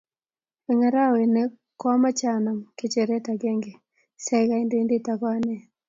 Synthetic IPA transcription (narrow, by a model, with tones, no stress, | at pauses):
ɛ˨ŋa˨ɾa˦we˨ne˦ | kɔ˦ma˦t͡ʃa˨na˨mke˨t͡ʃe˨ɾe˦ta˨ɡe˦ŋɡe˨ | sɛ˦ɡa˨˦i˦nde˦ndɪ˦ta˨kwa˦nɛ˨